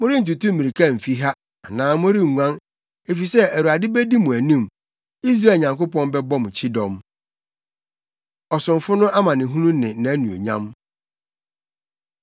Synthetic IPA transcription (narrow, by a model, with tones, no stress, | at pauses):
mʊ̃˦ɾɪ˦n̩˨tu˨tũ˦mĩ˨i˨kʰa˦˨m̩˨fi˦ɦa˦ | a˨nãː˨mʊ̃˦ɾi˦ŋ˨ŋʷã˦n | e˨fi˨sɛ˦æ˨ɾu˨a˨dɪ˦bæ˦di˦mʊ̃˨æ˨nĩ˦˨m | i˦s̬ɾa˦˨ɲã˨ŋko˦pɔ̃˦nbɛ˦bɔ˦m˨t͡ɕʰɪ˦dɔ̃˨m | ɔ˨sʊ̃˨mfʊ˦nʊ̃˦ʔa˦mã˨nɪ̃˨ɦũ˦nũ˦nɪ̃˨nã˨˦nũ˨o̰˨ɲã̰˦m